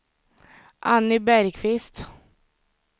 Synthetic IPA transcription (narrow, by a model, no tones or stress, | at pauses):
ʔanːɪbæɾkʰvɪst̪